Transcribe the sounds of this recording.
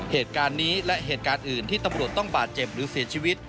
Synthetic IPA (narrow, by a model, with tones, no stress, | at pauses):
heː˨˩t̪̚kaː˧nːiː˦˥lɛ˦˥ʔɦeː˨˩t̪̚kaː˧nʔɯː˨˩nt̪ʰiː˥˩t̪a˧mɾu˨˩ət̪ːɔ˥˩ŋbaː˨˩t̪̚t͡ɕe˨˩p̚ɾɯː˩˦si˩˦ɐt͡ɕʰiː˧wi˦˥t̪̚